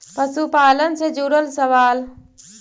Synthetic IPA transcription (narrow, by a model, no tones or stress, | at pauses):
pɐsupaːlənsed͡ʒuɽəlsɐʋaːl